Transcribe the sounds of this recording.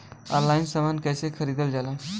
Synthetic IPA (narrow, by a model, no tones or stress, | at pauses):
a̰ɾlajinsəmankajsekʰəɾid̪əld͡zala